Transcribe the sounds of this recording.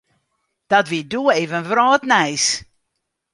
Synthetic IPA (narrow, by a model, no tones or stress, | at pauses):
d̥atviduːeːvənvrɔːtnɛjs